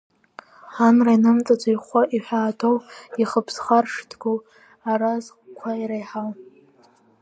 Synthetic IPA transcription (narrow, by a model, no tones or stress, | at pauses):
ħanrainɨmt͡sʼat͡sʷʼajχʷaʔiħʷᶣaːtʰowiχəpʰsχarʂtʰɡu | arazʼ | kʷʰaiɾajħaw